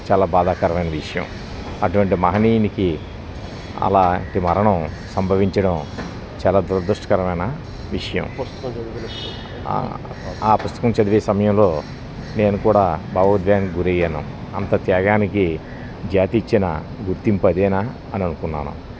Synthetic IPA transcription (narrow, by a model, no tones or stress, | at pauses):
t͡ʃaːlaːbaːd̪aːkɐɾɐʋɐjnɐʋiʂɐjɐ̰m | ɐʈuʋɐɳʈimɐɦɐnijniki | ɐ̰la̰ːɳʈimɐɾɐɳɐm | sɐmbʱɐʋiɲt͡ʃɐɽɐm | t͡ʃaːlaːd̪uɾɐd̪uʂʈɐ̥kɐɾɐʋɐjnɐ | ʋiʂɐjɐ̰m | aːpust̪ɐ̥kɐmt͡ʃɐd̪iʋeːsɐmɐjɐmlo̞ː | ne̞ːnukuːɽaːbaːɐd̪ʋjaːnkiɡuɾejɐnṵ | ɐnt̪ɐt̪jaːɡaːniki | d͡ʒaːt̪iit͡ʃːinɐ̰ | ɡuɾt̪impɐd̪eːna | ɐniɐnukunːa̰ːnṵ